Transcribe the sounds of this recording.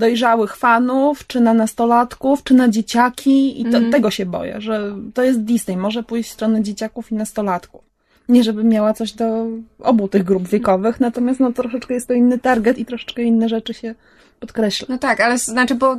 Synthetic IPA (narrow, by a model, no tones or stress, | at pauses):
d̪ɔjʐawɘxfanuft͡ʂɘnanast̪ɔlat̪kuft͡ʂɘnad͡ʑet͡ɕakʲʰiḭt̪ɔt̪ːɛɡɔɕɛbɔ̰jɛ̰ʐɛt̪ɔjɛs̬t̪̚d̪ʲisnɛjmɔʐɛpujɕt͡ɕst̪ɾɔnɛd͡ʑet͡ɕakufinast̪ɔlat̪kuf | ɲɛʐɛbɘmʲjawat̪sɔʑd̪ɔʔɔ̰but̪ɘɣɡɾubvʲjɛkɔvɘxnat̪ɔmʲjast̪nɔt̪ɾɔʂɛt͡ʂkɛjɛst̪ːɔinːɘt̪aɾɡɛt̪it̪ɾɔʂɛ̥t͡ʂkɛinːɛʐɛt͡ʂɘɕɛ | pɔt̪kɾɛɕlanɔt̪akalɛsznat͡ʂɘbɔ